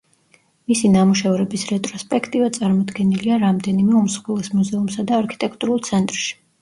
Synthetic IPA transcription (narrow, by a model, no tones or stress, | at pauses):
misinamuʃɛvɾɛbisɾɛt̪ʼɾɔspʼɛkʰt̪ʼivat̪sʼaɾmɔd̪ɡɛniliaɾamd̪ɛnimɛumsχwɛlˠɛsmuzɛumsad̪aːɾkʰi̥t̪ʼɛkʰt̪ʼuɾulˠt̪sʰɛnt̪ʼɾʃi̥